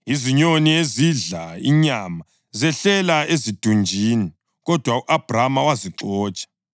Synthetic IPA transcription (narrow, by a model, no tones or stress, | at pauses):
iziɲonieziɮaiɲama | zɛɬɛlaezid̥ʱund͡ʒʱiːni | ɣɔd̥ʱwauʔab̥ʱramawaziǁɔːt͡ʃʼḁ